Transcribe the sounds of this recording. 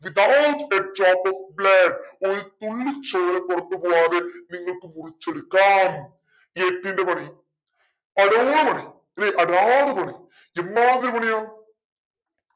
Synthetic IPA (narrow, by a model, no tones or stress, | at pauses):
ʋid̪awteʈ̚taːpofbleːɖoɾut̪uɭːɨt͡ɕːoːlɐkːurɐt̪ːɨpoːaːðeniŋːɐɭkɨmurit͡ɕːeɽɯkːaːm | eːʈːiɳɖepɐɳi | ɐɽoːɽɐpɐɳi | neʔɐɽaːɽɐpɐɳi | enːaaːðɐɾɨmɐɳijaː